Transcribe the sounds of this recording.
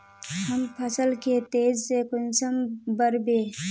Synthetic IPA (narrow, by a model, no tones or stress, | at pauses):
həmpʰɐsəlket̪eːzsekʊnsəmbəɾbeː